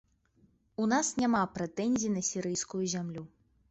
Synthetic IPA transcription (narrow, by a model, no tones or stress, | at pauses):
unasnʲamapɾɛt̪ɛnʲzʲinɐsʲiɾɨjskujuzʲamlʲu